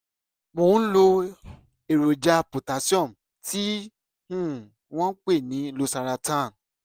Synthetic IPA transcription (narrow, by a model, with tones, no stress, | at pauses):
mõ˨˦lo˧ | e˨ɾo˨d͡ʒa˧po˨ta˨˦si˦ɔ̃˦˨m̩˨ | ti˦ | nũ˦˨ | w̃ɔ̃˦k͡pe˦˨nĩ˨˦lo˧sa˧ɾa˧tã˦˨